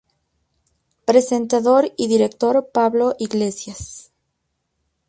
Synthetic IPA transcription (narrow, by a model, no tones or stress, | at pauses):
pɾe̞se̞nt̪aðo̞ɾiðiɾe̞k̚t̪o̞ɾpaβlo̞ʔiɣle̞sjas